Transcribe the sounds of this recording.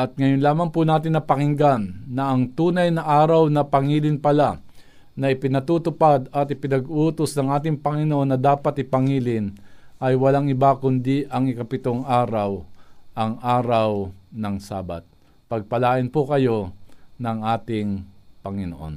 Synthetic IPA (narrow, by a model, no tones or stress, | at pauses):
ʔɐt̪̚ŋɐjonlaːmɐŋpʊnaːt̪ɪnːɐpɐŋɪŋɡanːɐʔɐŋt̪uːnɐjnɐʔaːɾɐwnɐpɐŋiːlɪnpɐla | nɐɪpɪnɐt̪ut̪ʊpad̪ɐt̪ɪpɪnɐɡuːt̪osnɐŋʔaːt̪̬ɪŋpɐŋɪnoʔo̞nːɐd̪aːpat̪ɪpɐŋiːlɪnʔɐjwɐlaŋɪbakʊnd̪iʔɐŋɪkɐpɪt̪oŋʔaːɾawʔɐŋʔaːɾawnɐŋsaːba̰t̪̚ | pɐɡ̚pɐlaːʔɪnpʊkɐjo̞nɐŋʔaːt̪ɪŋpɐŋɪnoʔo̰n